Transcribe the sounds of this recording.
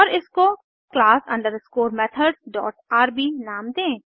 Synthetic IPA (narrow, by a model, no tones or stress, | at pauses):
ɔːɾɪsko | klaːsɐ̰̃ɳɖəɾskoːɾmɛːt̪ʰəɖzɖɔ̰ːʈaːɾbinaːmd̪ẽː